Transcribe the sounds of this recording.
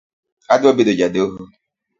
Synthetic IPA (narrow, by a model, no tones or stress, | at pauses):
adʊobedod͡ʒadoɦu